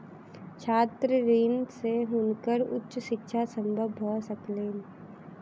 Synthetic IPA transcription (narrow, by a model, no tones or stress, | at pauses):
t͡ʃʰaːt̪ɾəɾiːnseɦʊnkəɾʊ̰tːʃʃɪkːʃʰasə̃mbʱəbɦosəkleːn